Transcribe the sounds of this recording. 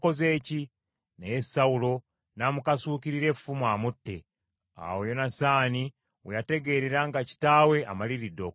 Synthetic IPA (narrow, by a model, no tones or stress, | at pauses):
ko̞ze̞ːci | nejesaulo̞ | naːmukasuːkiɾiɾe̞ffumwaːmutːe̞̰ | a̰wojo̞nasaːni | wejate̞ɡe̞ːɾeɾaŋɡaci̥taːwe̞ʔamaliɾidok